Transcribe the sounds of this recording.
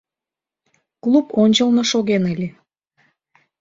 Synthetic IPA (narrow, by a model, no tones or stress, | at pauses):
kluponʲt͡ɕəlnoʃoɣenəlʲe